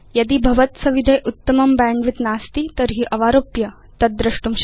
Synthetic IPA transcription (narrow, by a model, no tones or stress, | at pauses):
jɐd̪iːbʱɐʋət̪sɐʋid̪ʱəjʔut̪ːəmɐmbæ̃ɳɖʋit̪nast̪iːt̪əɾɦiːʔɐʋaɾopjɐ | t̪ɐt̪d̪̚ːɾəʂʈumɕ